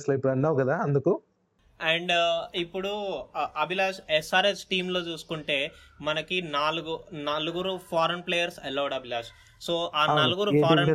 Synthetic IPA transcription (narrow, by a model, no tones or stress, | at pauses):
slɐipːuɽɐnːaːʋkɐd̪aːɐnd̪uku | ɛɳɖipːuɽuɐbilaːʃɛsaːɾeːsʈiːmlo̞ːt͡ʃuːsu̥kuɳʈe̞ːmɐnɐkinaːluɡunɐluɡuɾupʰaːɾɐnpleːjɐɾsɛlɐwɽɐbʱilaːʃ | soːʔaːnnɐluɡuɾupːʰaːɾɐ